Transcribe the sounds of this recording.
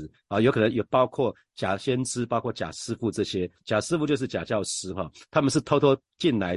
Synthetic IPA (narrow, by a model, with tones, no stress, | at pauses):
ɔ˨jo˦ʊkʰɤ˨nə˧˦ŋjɔ˨˩pɑ˦ʊkʰwɔ˥˩ | t͡ɕja˨˩ɕjɛ˥nʈ͡ʂɻ̩˥pɑ˥ʊkʰwɔ˥˩t͡ɕja̰˨˩ʂɻ̩˥fu˥˧ʈ͡ʂɤ˥˨ɕjɛ˥t͡ɕja˨˩ʂɻ̩˥fu˥˧t͡ɕjo˥˧ʊʂ̬̩˥˩t͡ɕja˨˩t͡ɕjɑ˥˨ʊʂɻ̩˥xɔ˥˨t̪ʰa˥mə˨nʂ̬̩˥˩t̪ʰo˥ʊt̪ʰwɔ˥ | t͡ɕi˥˨˩nla˨˦ɪ